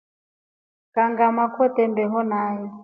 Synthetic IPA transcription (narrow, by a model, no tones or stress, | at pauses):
kaŋɡamakwɔt̪ɛmbɛɦɔnaːjɛ